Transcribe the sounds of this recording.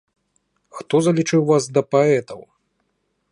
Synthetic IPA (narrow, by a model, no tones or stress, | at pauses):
xt̪ɔzɐlʲit͡ʂɨwvasd̪ɐpaɛt̪ɐw